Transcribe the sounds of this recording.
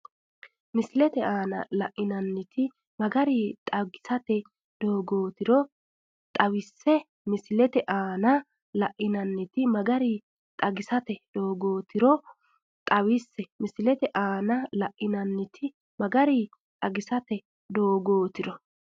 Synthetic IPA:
mɪsɪlɛt̪ɛaːnɐ̰lɐʔɪnɐnːɪt̪ɪ | mɐɡɐɾit̪ʼɐɡɪ̥sɐt̪ɛ | d̪o̞ːɡo̞ːt̪ɪɾɔ | t̪ʼɐwɪsːɛ | mɪsɪlɛt̪ɛʔaːnɐ | lɐʔɪnɐnːɪt̪ɪmɐɡɐɾi | t̪ʼɐɡɪsɐt̪ɛd̪̥o̞ːɡoːt̪ɪɾɔ | t̪ʼɐwɪsːɛmɪsɪlɛt̪ɛʔaːnɐlɐʔɪnɐnːɪt̪ʰɪ | mɐɡɐɾi | t̪ʼɐɡɪsɐt̪ɛ | d̪o̞ːɡoːt̪ɪɾɔ

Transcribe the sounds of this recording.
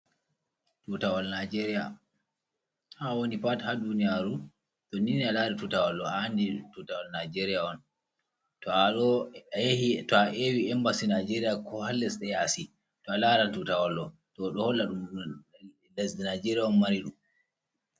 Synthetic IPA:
tutawalnad͡ʒeɾija̰ | hawonipathadunijaːɾu | ɗɔninialaːɾitutawalːɔaanditutawalnajd͡ʒeɾijaɔn | tɔɔajehitɔaʔewiɛmbasinajd͡ʒeɾijakʰɔhalːɛsɗɛjasi | tɔalaɾantutawalːɔ | tɔɗɔhɔlːaɗum | lazdinajd͡ʒeɾiaɔnmaɾiɗṵm

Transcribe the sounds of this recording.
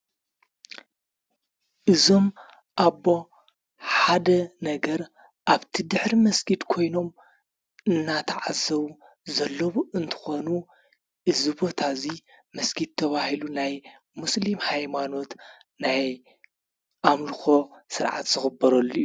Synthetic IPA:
ʔɨzo̞m | ʔaβːo̞ | ħad̪ɐnɐɡɐɾ | ʔaβt̪ʰid̪ɨħɾimɐsɡid̪kʰo̞jno̞m | ɨnːat̪ʰɐʕazɐβu | zɐlːɐβuʔɨnt̪ʰɨ̥xonu | ʔɨzɨβo̞t̪ʰazimɐsɡid̪̚t̪ʰːɐβahilunaj | muslimhajmano̞t̪ | naj | ʔamlɨxo̞sɨɾʕa̰t̪z̥ɨxɨbːɐɾɐlːuu

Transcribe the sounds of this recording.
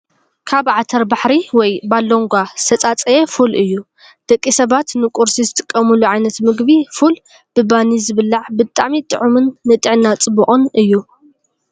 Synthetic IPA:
kʰaβʕat̪ʰɐɾbaħɾiwɔjbalːoŋɡʷasɐt͡sʼat͡sʼɐjefulʔɨjːu | d̪̥ɐkʼːisɐβat̪nɨkʼuɾsizɨt̪ʰɨ̥kʼːɐmɨluʕajnɐt̪mɨɡbiful | b̥ɨbanizɨβɨlːaʕbɨt̪ʼːamit̪ʼɨ̰ʕumɨnːɨt̪ʼɨʕnat͡sʼɨbuχʼunɨjːu

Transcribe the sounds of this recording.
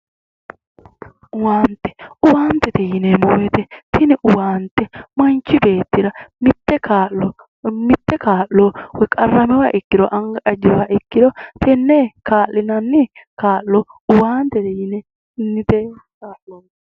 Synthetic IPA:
ʊwaːnt̪ːɛ̥ʊwaːnt̪ːɛt̪ɛjɪnɛmoːwɛt̪ɛt̪ɪnɪʔʊwaːnt̪ːɛmɐnt͡ʃːɪbeːt̪ːɪɾɐmɪt̪ːɛkaː | mɪt̪ːɛkaːlːowɛkʼɐrːɐmɛwaːʔɪkːɪd̪ɔʔɐŋɡɐʔɐd͡ʒːɛwaːʔɪkːɪd̪ɔt̪ɛnːekaːʔːɪnɐnːɪkaːlːɔʊwaːnt̪ːɛt̪ɛjɪnɛ | nɪt̪e

